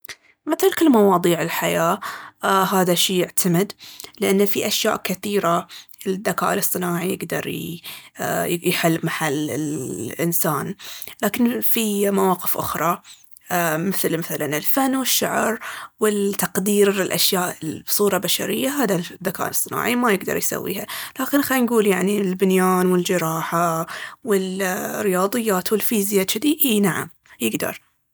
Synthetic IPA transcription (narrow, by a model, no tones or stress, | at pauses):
mɪθlkɪlmɑwɑːðˤiːʕɪlħajaː | ɦaːðaʃiːjɪʕt̪ʰamɪd̪lɪʔanːfiʔaʃja̰ːʔkɪθiːɾaɪðːaka̰ːʔɪlɨsˤːɨnaːʕijɪɡd̪ɑ̰ɾˤ | jħɪlːmaħalːɪ̰lʔɪ̰nsaːnlaːkɪnfimawɑːqɪfʔʊ̰xɾˤɑ | mɪθlmɪθalanɪlfanːwɪʃːa̰ʕɾwɪt̪ɑqd̪iːɾɪlʔaʃjaːʔɪlbsˤuːɾˤɑbaʃa̰ɾɪjːaɦaːd̪aðaka̰ːnsˤːɨna̰ːʕimajɪɡd̪ɑ̰ɾˤjsa̰wːḭːhalaːkɪnxanɡuːljaʕnilbɪnjaːnwɪld͡ʒɪɾˤɑːħawɪlɾɪjɑːðˤɨjːaːt̪wɪlfiːzjaːt͡ʃɪd̪iʔiːnaʕa̰m | jɪɡd̪ɑ̰ɾˤ